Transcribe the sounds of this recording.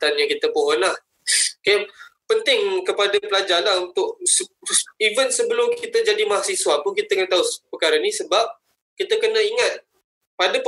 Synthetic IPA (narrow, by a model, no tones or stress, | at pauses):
t̪anjaŋkit̪əpoʔɔnlah | kajapənt̪ɪŋkəpadapəlad͡ʒalaɦunt̪ʊʔ̚sivənsəbəlʊmkit̪əd͡ʒadimaɦasiswapʊnkit̪əkənət̪aupəkaɾanisəbap̚ | kit̪əkənəiŋat̪̚ | padap